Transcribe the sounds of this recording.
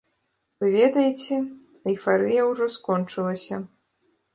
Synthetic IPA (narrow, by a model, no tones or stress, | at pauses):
vɨvʲɛd̪ɐjit͡sʲɛ | ɐifaɾɨjɐwʐɔskɔnt͡ʂɨlˠɐsʲɐ